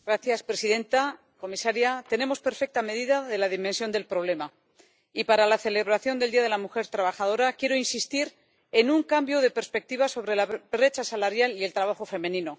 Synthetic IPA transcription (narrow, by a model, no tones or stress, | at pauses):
ɡɾaθjaspɾe̞siðe̞nt̪a | ko̞misaɾjat̪e̞ne̞mo̞spe̞ɾfe̞k̚t̪ame̞ðiðaðe̞laðimẽnsjo̞nd̪e̞lpɾo̞β̞le̞ma | ipaɾalaθe̞le̞βɾaθjo̞nd̪e̞ld̪iaðe̞lamuxe̞ɾt̪ɾaβaxaðo̞ɾakje̞ɾo̞insist̪iɾ | e̞nuŋkambjo̞ð̞e̞pe̞ɾspe̞k̚t̪iβaso̞βɾe̞laβbɾe̞t͡ʃasalaɾjalie̞lt̪ɾaβaxo̞fe̞mẽ̞nĩno̞